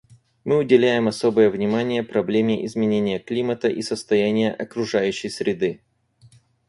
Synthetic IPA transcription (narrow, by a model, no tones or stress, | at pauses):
mɨʊdʲɪlʲæjɪmɐso̞bɨjəvnʲɪmanʲɪjəpɾɐblʲemʲɪʔɪzmʲɪnʲenʲɪjəklʲimət̪əʔisəst̪ɐjænʲɪjə̰ʔɐkɾʊʐajʉɕːɪjsʲɾʲɪd̪ɨ